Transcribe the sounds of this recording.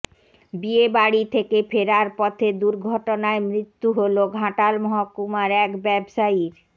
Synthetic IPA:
biebaɽit̪ʰekefʰeɾaɾpɔt̪ʰed̪uɾɡʱɔʈonaemɾit̪ːuɦoloɡʱãʈalmɔɦakumaɾɛkbɛbʃaiɾ

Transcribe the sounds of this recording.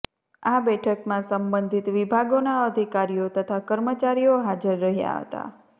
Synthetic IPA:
abɛʈʰəkmãsəmbə̃nd̪ʱit̪ʋibʱaɡonaəd̪ʱikaɾijot̪ət̪ʰakəɾmət͡ʃaɾijoɦad͡ʒəɾːəɦja̰ɦə̰t̪a̰

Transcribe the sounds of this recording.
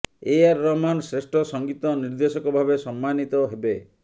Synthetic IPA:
eaɾːɔmansɾesʈʰɔsɔŋɡit̪ɔniɾd̪esɔkɔbʱabesɔmːanit̪ɔɦebe

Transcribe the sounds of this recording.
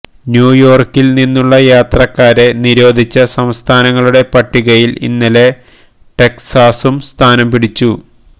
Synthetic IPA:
njuːjo̞ːrkilninːuɭːɐjaːt̪rɐkːaːɾe̞niɾo̞ːd̪ʱit͡ɕːɐsɐmst̪ʰaːnɐŋːɐɭuɽe̞pɐʈːiɣɐjilḭnːɐle̞ | ʈe̞ksaːsumst̪ʰaːnɐmpiɽit͡ɕːu

